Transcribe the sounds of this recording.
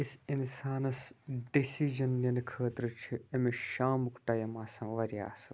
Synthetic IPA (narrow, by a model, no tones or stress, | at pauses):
isinsaːnɐsɖisid͡ʒɐnːinkʰəːt̪ɾɨt͡ʃʰiemeʃaːmukʈɐjɐmaːsãːʋɐɾija̰ːsɨ